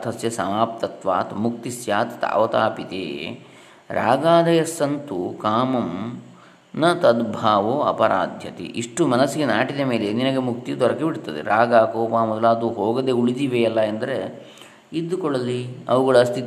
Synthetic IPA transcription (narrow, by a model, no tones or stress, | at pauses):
t̪ʰɐsjɐsɐmaːp̚t̪ɐt̪ʋa̰ːt̪mukt̪isjaːt̪t̪a̰ːʋɐt̪aːpit̪ḛː | ɾa̰ːɡaːd̪ɐjɐsɐnt̪ukaːmɐm | nɐt̪ɐd̪bʱaːʋoːɐ̰pɐɾa̰ːd̪ʱjɐt̪ḭʔiʂʈumɐnɐsːiɡenaːʈid̪ɐmeːleninɐɡemuk̚t̪id̪ɔɾɐkebiɽt̪ɐd̪ḛɾaːɡaːkoːpaːmɔd̪ɐlaːd̪uɦoːɡɐd̪euɭid̪iʋeɐlːɐɐnd̪ɐɾe | id̪ːukɔɭɐliɐ̰ʋuɡɐɭɐst̪ʰit̪